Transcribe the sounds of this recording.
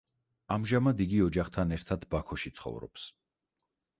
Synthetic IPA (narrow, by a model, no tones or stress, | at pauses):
amʒamad̪iɡiɔd͡ʒaχt̪ʰanɛɾt̪ʰad̪bakʰɔʃit̪sʰχɔ̰vɾɔ̰ps